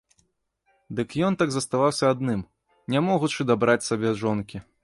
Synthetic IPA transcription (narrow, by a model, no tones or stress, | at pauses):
d̪ɨkjɔnt̪aɡzɐst̪avawsʲɐad̪nɨm | nʲamɔɣut͡ʂɨd̪abɾat͡sʲsʲabʲɛʐɔnkʲi